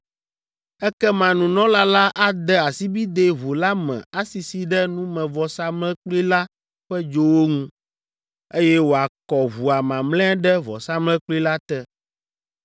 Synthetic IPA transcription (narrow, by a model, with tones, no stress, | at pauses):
ɛ˦kɛ˦mã˨nũ˨nɔ̃˦la˦la˦ʔa˦d̪ɛ˦a˨si˦bi˦d̪e˦βo˨la˦mɛ̰̃˨a˦si˨si˨ɖɛ˦nũ˦mɛ̃˨vɔ˨sa˦mlɛ̃˦k͡pli˦la˦ | ɸɛ˦d͡ʒo˦wo˦ŋũ˦ | e˦jɛ˦wo˨a˨kɔ˨βu˨a˨mã˨mlɛ̃˦ɛ˦ɖɛ˦vɔ̰˨sa˦mlɛ̃˦k͡pli˦la˦t̪ɛ˦